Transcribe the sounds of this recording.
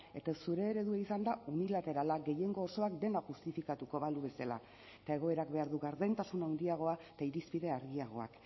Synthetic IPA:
e̞t̪asuɾe̞ːɾe̞ðueisand̪aunilat̪e̞ɾalaɡe̞je̞ŋɡo̞ːso̞ak̚d̪e̞naʝust̪ifikat̪uko̞βaluβe̞sala̰ | et̪ae̞ɣ̞o̞e̞ɾak̚be̞aɾðuɣaɾðent̪asunawnd̪iaɣ̞o̞aet̪aiɾispiðe̞aɾɣiaɣ̞o̞̰a̰k

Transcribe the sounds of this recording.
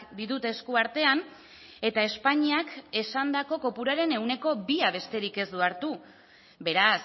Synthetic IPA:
d̪iðut̪e̞skuaɾt̪e̞an | e̞t̪ae̞spaɲiake̞sand̪ako̞ko̞puɾaɾe̞ne̞wne̞ko̞biaβ̞e̞st̪e̞ɾike̞zd̪uaɾt̪u | be̞ɾas

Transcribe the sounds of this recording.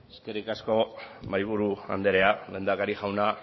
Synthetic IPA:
eskerikasko̞majβ̞uɾua̰nd̪e̞ɾe̞ale̞ːnd̪akaɾiʝawna

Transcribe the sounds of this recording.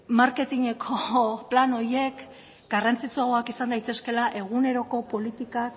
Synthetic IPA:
maɾke̞t̪iɲe̞kʰo̞plano̞ɾje̞k | ɡarant͡sit͡suaɣoakisand̪ajt̪e̞ske̞laʔe̞ɣ̞une̞ɾo̞ko̞po̞lit̪ika

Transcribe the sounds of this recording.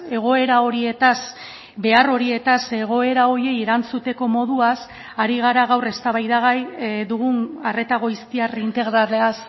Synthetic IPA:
e̞ɣ̞o̞e̞ɾao̞ɾie̞t̪as | be̞aro̞ɾie̞t̪ase̞ɣ̞o̞e̞ɾao̞ɾje̞jeɾant͡sut̪e̞ko̞mo̞ðuas | aɾiɣ̞aɾaɣawre̞st̪aβajðaɣajðuɣunare̞t̪aɣo̞jst̪iarint̪e̞ɣɾaɾeas

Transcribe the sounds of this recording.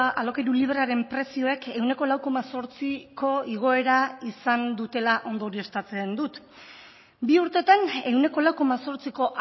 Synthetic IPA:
alo̞kejɾuliβ̞ɾaɾe̞mpɾe̞sio̞e̞ke̞wne̞ko̞lawko̞maso̞ɾt͡siko̞iɣ̞o̞e̞ɾaisand̪ut̪e̞laʔo̞nd̪o̞ɾie̞st̪at͡se̞nd̪ut̪ | biuɾt̪e̞t̪ane̞wne̞ko̞lawko̞maso̞ɾt͡siko̞ʔ

